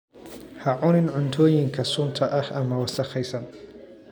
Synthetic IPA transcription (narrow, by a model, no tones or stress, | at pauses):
hɐʕʊnɪnʕʊnt̪ʰɔːjɪŋkʰɐsʊnt̪ʰɐʔɐhʔɐmɐwɑsɐχɛjsɐn